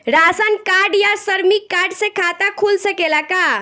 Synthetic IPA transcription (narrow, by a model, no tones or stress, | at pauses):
ɾasənkaɖjasəɾmikːaɾɖsẽkʰat̪akʰulsəkelaka